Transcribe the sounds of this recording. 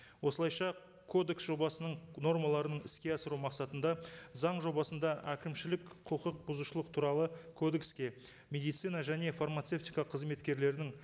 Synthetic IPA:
wo̞səlˠɑjʃɑ | kʰo̞d̪e̞ksʒo̞bɑsənəɴno̞rmɑlˠɑɾənəɴɪskʲe̞ɑsəɾumɑqsɑt̪ənd̪ɑzɑɴʒo̞bɑsənd̪ɑʔækʲɪmʃɪlɪkqʰəqəq̚bʊzuʃəlˠəq̚t̪ʰuɾɑlˠəkʰo̞d̪e̞kskʲe̞ | mʲe̞d̪ijt̪sijnɑʒæne̞farmat̪se̞ft̪ijkɑqʰəzme̞t̪kʲe̞ɾle̞ɾd̪ɪŋ

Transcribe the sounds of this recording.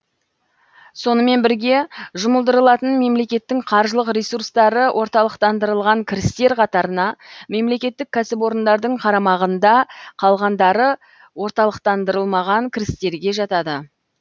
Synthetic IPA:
so̞nəme̞nbɪɾɡʲe̞ʒʊməlˠd̪əɾəlˠɑt̪ənme̞mle̞kʲe̞t̪ːɪŋqʰɑɾʒəlˠəqɾesurst̪ɑɾəwʔo̞ɾt̪ɑlˠəqt̪ɑnd̪əɾəlˠʁɑŋkʲʰɪɾɪst̪e̞ɾqʰɑt̪ɑɾənɑme̞mle̞kʲe̞t̪ːɪkʲʰːæsɪpwo̞ɾənd̪ɑɾd̪əɴqʰɑɾɑmɑʁənd̪ɑqʰɑlˠʁɑnd̪ɑɾə | wo̞ɾt̪ɑlˠəqt̪ɑnd̪əɾəlˠmɑʁɑŋkʲʰɪɾɪst̪e̞ɾɡʲe̞ʒɑt̪ɑd̪ə

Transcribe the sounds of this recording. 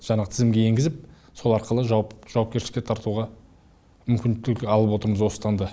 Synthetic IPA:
ʒ̥ɑɴɑʁət̪ʰɪzɪmɡʲe̞eŋɡʲɪzɪp̚ | so̞lˠɑɾqəlˠəʒɑʒ̥ɑwɑp̚kʲeʃlɪkʲet̪ʰɑɾt̪uʁɑ | mʏmkʲɪnd̪ɪt̪ɪkɑlˠəp̬wo̞t̪əɾməzwo̞st̪ɑnd̪ə

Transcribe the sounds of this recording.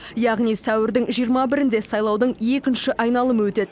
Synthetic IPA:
jɑʁnijsæwɪɾd̪ɪŋʒijəɾmɑbɪɾɪnd̪e̞sɑjlˠɑwd̪əɴe̞kʲɪnʃɪʔɑjnɑlˠəməwɵt̪e̞t̪

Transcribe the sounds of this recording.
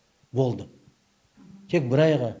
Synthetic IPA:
bo̞lˠd̪ə | t̪ʰe̞k̚bɪɾɑjʁə

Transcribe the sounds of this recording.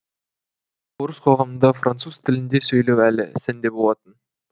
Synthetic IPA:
boɾəsqʰo̞ʁɑmənd̪ɑfrʔant̪suz̥t̪ʰɪlɪnd̪e̞sɵjlewælɪ̰sɪnd̪e̞bo̞lˠɑt̪ən

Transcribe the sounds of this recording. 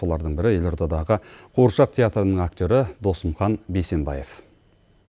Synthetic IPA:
o̞lˠɑɾd̪əɴbɪɾɪje̞lʲo̞ɾd̪ɑd̪ɑʁəqʰoɾʃɑq̚t̪ʰʲeat̪ɾənəɴak̚t̪ʲo̞ɾɪd̪o̞səmχɑnbe̞se̞mbɑ̰je̞f

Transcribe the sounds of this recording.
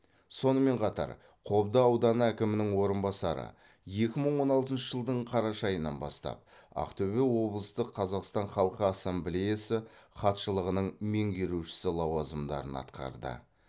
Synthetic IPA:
so̞nəme̞ɴqʰɑt̪ɑ̰ɾ | qʰo̞bd̪əɑwd̪ɑnəækʲɪmɪnɪŋwo̞ɾənbɑsɑɾə̰ | je̞kʲɪməɴwo̞nɑlˠt̪ənʃəʒəlˠd̪əɴqʰɑɾɑʃɑjənɑ̰nbɑ̰st̪ɑ̰p̚ | ɑ̰qt̪ʰɵβewo̞blˠəst̪əqʰːɑzɑqst̪ɑɴχɑlˠqəɑsemblʲejasɪχɑt̪ʃəlˠəʁənəɴme̞ŋɡʲe̞ɾuʃɪ̥sɪlˠɑwɑzəmd̪ɑ̰ɾənɑ̰t̪qʰɑ̰ɾd̪ə̰

